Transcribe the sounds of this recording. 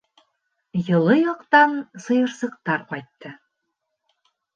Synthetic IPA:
jɤ̆lˠɤjɑqt̪ɑnsɤ̆jɤ̆ɾsɤ̆q̚t̪ɑɾqɒjt̪ːɤ

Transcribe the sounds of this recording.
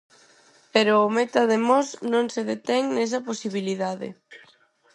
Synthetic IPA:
peɾʊːmet̪ɐðemɔsnõŋseðet̪ɛŋnɛs̬ɐposiβiliðaðɪ̰

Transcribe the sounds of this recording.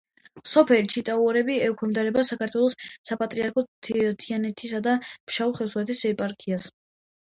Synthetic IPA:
sɔpʰɛlit͡ʃʰit̪ʼauɾɛbiɛkʰwɛmd̪aɾɛbasakaɾt̪ʰwɛlˠɔsːapʼat̪ʼɾiaɾkʰɔtt̪ʰianɛt̪ʰisad̪am̥ʃauχɛsuwɛt̪ʰisɛpʼaɾkʰias

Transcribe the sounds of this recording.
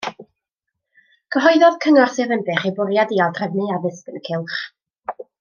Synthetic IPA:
kʰəɦɔjðɔðkʰəŋɔrθɨðənbɛχebʊɾjadiːalˠdrɛvnɨavɪspənkʰɪlˠχ

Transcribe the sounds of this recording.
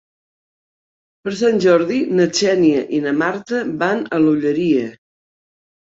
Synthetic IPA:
pəɾs̬anʲʒɔɾðinət͡ʃɛniəʔinəmaɾt̪əbanəluʎəɾiə

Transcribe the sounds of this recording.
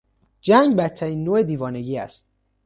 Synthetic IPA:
d͡ʒæŋɡbæt̪ʰːæɾiːnːoːed̪iːvɒːne̞ɡiːæ̰st̪

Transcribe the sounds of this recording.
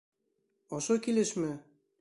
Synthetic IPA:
ɒʃokileʃmɘ̆

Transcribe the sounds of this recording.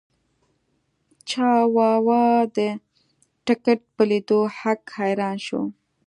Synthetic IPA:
t͡ʃɑwɑwɑd̪ə | ʈɪkeʈ̚pəlid̪ohakhajɾɑnʃo̰

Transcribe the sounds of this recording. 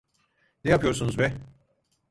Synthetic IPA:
nɛjapɯjo̞ɾsunuzbɛ

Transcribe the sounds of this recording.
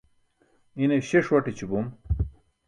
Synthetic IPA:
ineɕeʂwɐʈit͡ɕibum

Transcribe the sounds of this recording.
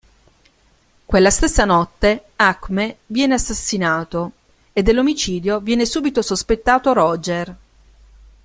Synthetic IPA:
kwelːast̪esːanɔt̪ːeakmevjɛːneasːasːinaːt̪o | ed̪ːelːomit͡ʃiːd̪jovjɛːnesuːbit̪osospet̪ːaːt̪oɾɔd͡ʒer

